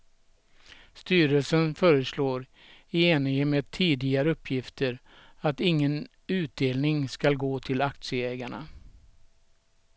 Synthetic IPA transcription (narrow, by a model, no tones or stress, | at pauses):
st̪yːɾəlsənfœːɾəsloːɾ | ɪeːnɪŋəmeːd̪̚t̪ʰiːd̪ɪɡaɾəɵpʰːjɪft̪ʰəɾ | at̪ɪŋːən | ʉ̟ːt̪̚d̪eːlnɪŋskalɡoːt̪ʰɪlak̚t̪sɪəɛːɡaɳa̰